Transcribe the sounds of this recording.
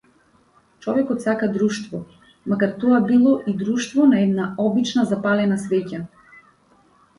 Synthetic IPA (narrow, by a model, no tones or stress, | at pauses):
t͡ʃɔvɛkɔt̪sakad̪ɾuʃt̪vɔ | makaɾt̪ɔabilˠɔʔid̪ɾuʃt̪vɔnaɛd̪naɔbit͡ʃnazapalɛnasvɛca